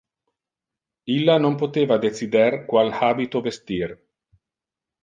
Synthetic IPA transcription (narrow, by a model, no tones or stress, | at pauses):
ilːanompot̪eːvad̪et̪sid̪erkwalhaːbit̪ovest̪ir